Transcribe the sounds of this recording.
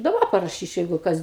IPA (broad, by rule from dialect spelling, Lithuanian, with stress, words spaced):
ɪ dɐˈbɐ pɐrɐˈʃʲiːt͡ʃʲɛʊ jɛɪɡʊ ˈkɐs